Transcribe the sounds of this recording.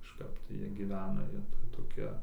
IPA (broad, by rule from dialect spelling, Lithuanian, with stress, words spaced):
kɐʃˈkɐp tɐɪ ˈjiɛ ɡʲɪˈʋʲæːnɐ ˈjiɛ tɐɪ toːˈkʲiɛ